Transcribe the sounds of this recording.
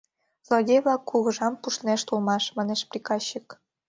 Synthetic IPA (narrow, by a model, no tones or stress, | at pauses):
zlˠoɣʲeβlɑkːuɣɤ̆ʒɑmpuʃneʃt̪ulmɑʃmɑneʃprʲikɑɕːik